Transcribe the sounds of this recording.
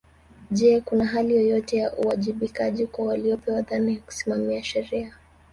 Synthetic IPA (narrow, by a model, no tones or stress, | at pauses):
ʄɛkunaɦalijɔjɔtɛjaʔuwaʄiɓikaʄikwawaliɔpɛwaðanijaku̥simamiaʃɛɾia